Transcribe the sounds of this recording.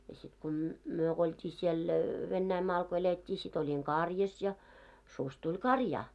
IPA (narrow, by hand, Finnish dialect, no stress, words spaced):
jɑ sit ko m myø k oltʲiː siel ʋenːæimɑːl ko eletʲːiː sit olʲiŋ kɑrjɑs jɑ sus tulʲ kɑrjɑː